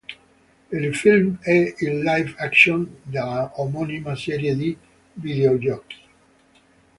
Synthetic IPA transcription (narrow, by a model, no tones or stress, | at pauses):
ilfilmɛilːajvakʃɔ̃nd̪alaomɔnimasɛɾjed̪i | vid̪eod͡ʒɔks